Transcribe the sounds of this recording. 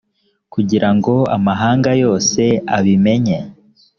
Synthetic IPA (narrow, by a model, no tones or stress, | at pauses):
kuɟiɾaŋɡo̞amaɦaːŋɡajo̞ːse̞aβime̞ɲe